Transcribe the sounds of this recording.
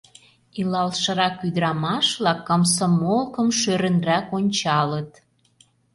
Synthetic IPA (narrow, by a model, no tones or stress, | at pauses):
ilɑlʃɤ̆ɾɑkːyd̪ɾɑmɑʃβlɑkːəmsɤmolkə̆mʃøɾə̆nrækonʲt͡ɕɑlət̪